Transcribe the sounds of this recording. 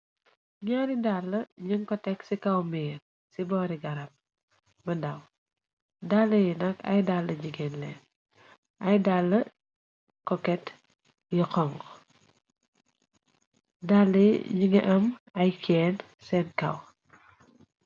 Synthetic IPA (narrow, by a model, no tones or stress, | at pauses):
ɲaɾidalːɐɲiŋkɔtɛksikɐwmiːɾ | sibɔːɾiɡɐɾɐm̚ː | ɐdɐw | dalːɐjinɐkɐ̰jdalːɐɲiɡɛnlɛːn | ʔɐjdalːɐ | kɔkɛt | jiqɔŋɡ | dalːɐj̰ɲiŋɛ̰ʔɐmɐjkʰɛːn | sɛnkɐ̰w